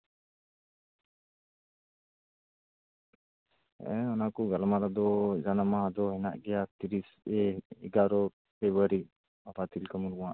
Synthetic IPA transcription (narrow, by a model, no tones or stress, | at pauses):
ɛ̃ɔnakuɡalamaɾad̪ɔd͡ʒanamad̪ɔɦɛna̰ʔɡɛjat̪iɾis | ɛɛɡaɾɔ | pɛbaɾi | apat̪ilkəmuɾuãʔ